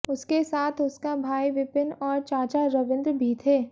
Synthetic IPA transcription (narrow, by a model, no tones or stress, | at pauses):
ʊskesaːt̪ʰʊskabʱaːiʋɪpɪnɔːɾt͡ʃaːt͡ʃaɾɐʋɪ̃nd̪ɾbʱiːt̪ʰeː